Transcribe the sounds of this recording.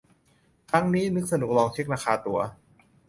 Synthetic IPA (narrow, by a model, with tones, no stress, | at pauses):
kʰɾa˦˥ŋniː˦˥nɯ˦˥k̚sa˧nu˨˩k̚lɔː˧ŋt͡ɕʰi˦˥k̚ɾaː˧kʰaː˧t̪u˧˩ɐ